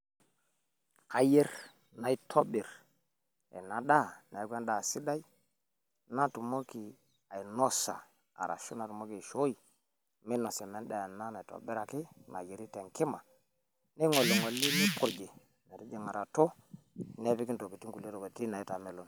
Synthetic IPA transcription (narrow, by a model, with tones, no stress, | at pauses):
a˨je˦ɾ | na˨i˦tʰo˦bi˨ɾ | ḛ˨na˨ɗa˦na˨i˨˦kʷe˦nda˨si˦da˦i˦ | na˦tu˨mo˦ki˨ | a˨i˨no˦sa̰˨ | a̰˨ɾa̰˨ʃu˦na˨tu˨mo˦ki˨ʃo˦i˨ | mi˦no˨se˨me˨nda˨ja˨na˦na˨i˨to̰˨bi˦ɾa˨ki˦na̰˨je˨ɾi˦te˨ŋki˦ma˨ | ne˦ŋo˨lːe˨ŋo˨li˦ni˦pu˦ɾd͡ʒi˨ | ne˨ɾi˦d͡ʒe˨ŋa˨ɾa˨to˦ | ne˦pi˦ki˦nto˨ki˨ti˦ŋku˨le˦to˨ke˨ti˦na˨i˦ta˨me˨lo˦n